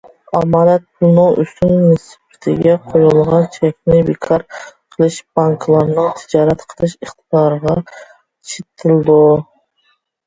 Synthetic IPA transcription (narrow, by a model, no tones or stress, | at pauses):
ɑmɑlæt̪̚pʰunoʔyst̪ynmnɨspʰɪ̥t̪ʰɪ̰ɡʲɛqʰojulˠʁɑnt͡ʃʰɛkʲnɪbɪkʰɑɾqʰəlˠɨʃb̥ɑŋkʰlˠɑɾnɨŋt̪ʰɪd͡ʒɑːɾæt̪qʰəlˠɨʃɨχt̪ʰɨd̪ɑɾʁɑ | t͡ʃʰet̪ʰɪld̪u